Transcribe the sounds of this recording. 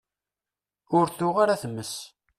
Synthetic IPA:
ʊɾθʊʁaɾaθəmːəs

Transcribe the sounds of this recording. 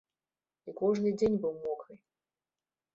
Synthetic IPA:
ikɔʐnɨd͡zʲenʲbɨwmɔkɨj

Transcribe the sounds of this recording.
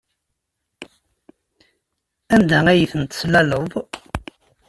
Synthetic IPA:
ænd̪ææjiθənt̪slæləðˤ

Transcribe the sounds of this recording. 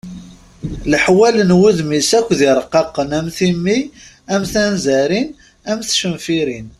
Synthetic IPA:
ləħwælənwuðmisækʷːðiɾˤəqːɑqːənæmθimːi | æmθænzæɾin | æmθʃəmfiɾin

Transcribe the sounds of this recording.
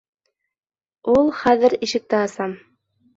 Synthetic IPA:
ulˠχæðɘɾiʃɘ̆k̚t̪æhɤ̆sɑm

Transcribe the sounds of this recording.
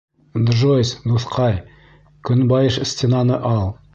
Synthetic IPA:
nd̪ʒosnuθqʰɑj | kʲʰʏnbɑjəʃəst̪ʲenɑnəʔɑlˠ

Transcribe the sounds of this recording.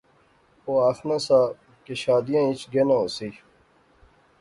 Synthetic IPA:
oːaːxnãːsaː | keɕaːd̪ijãːit͡ɕɡenãːoːsiː

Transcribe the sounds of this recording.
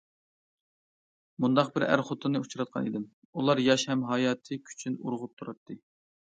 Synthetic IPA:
mund̪ɑq̚bɪɾæ̰ɾχot̪ʰɨnɨut͡ʃʰɾɑt̪̚qʰɑ̰nid̪ɪm | ulˠɑɾjɑʃhɛmɦɑjɑːt̪ʰɨkʲʰy̥t͡ʃʰynṵɾʁʊp̚t̪ʰuɾɑt̪ʰːɨ

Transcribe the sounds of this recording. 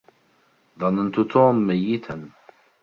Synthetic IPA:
ðˤɑnənt̪ut̪ʰoːmːajːit̪ʰan

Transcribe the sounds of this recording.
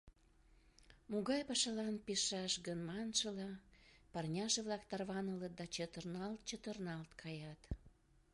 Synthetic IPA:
muɣɑjpɑʃɑlɑnpeʃɑʃɣənmɑnʃəlɑpɑrnʲɑʒeβlɑkt̪ɑrβɑnələt̪̚d̪ɑt͡ɕət̪ərnɑlt̪̚t͡ɕət̪ərnɑlt̪kʰɑjɑt̪

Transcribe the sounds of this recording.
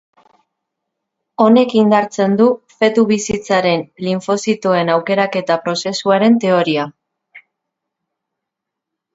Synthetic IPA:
o̞ne̞kind̪aɾt͡se̞nd̪ufe̞t̪uβisit͡saɾe̞nliɱfo̞sit̪oe̞nawke̞ɾake̞t̪apɾo̞se̞suaɾe̞nt̪e̞o̞ɾia

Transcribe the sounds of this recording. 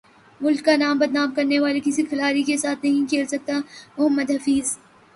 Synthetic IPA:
mʊlkːanaːmbɐd̪naːmkɐɾneʋaːlekɪsikʰɐlaːɾikesaːt̪ʰnɐɦĩkʰeːlsɐk̚t̪amʊɦəmːəd̪ɦɐfiːz

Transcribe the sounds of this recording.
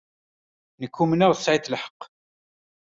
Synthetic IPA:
nəkːumnæʁθə̥sːʕiθlħə̥qː

